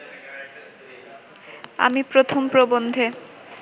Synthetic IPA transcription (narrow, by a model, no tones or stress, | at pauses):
a̰mipɾot̪ʰompɾobond̪ʱe